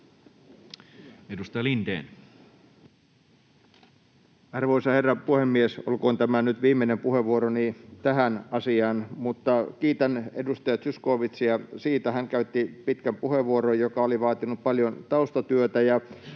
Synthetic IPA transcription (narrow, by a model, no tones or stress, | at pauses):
edust̪ɑjɑlind̪ḛːn | ɑrʋoisɑherːɑpuhemːieso̰lkoːnt̪æmænyt̪ʋiːmːenempuheʋːuoɾonit̪æɦænɑsiɑːnmut̪ːɑkiːt̪ænḛdust̪ɑjɑt̪syskoːʋit̪sjɑsiːt̪æhæŋkæyt̪ːipit̪kæmpuhe̞ʋuoɾojjokɑoliʋɑːt̪inːuppɑljont̪ɑust̪ɑt̪yøt̪æjɑ